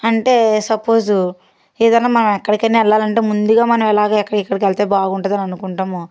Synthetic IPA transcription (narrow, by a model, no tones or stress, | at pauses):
ɐɳʈe̞ːsɐpoːzu | eːd̪ɐnːaːmɐnɐmɛkːɐɽikɐnːiɛlːaːlɐɳʈe̞ːmund̪uɡaːmɐnɐmɛlaːɡaːɛkːɐɽɐikːɐɽik̬ɛlt̪eːbaːɡuɳʈɐd̪ɐnɐnukuɳʈaːmo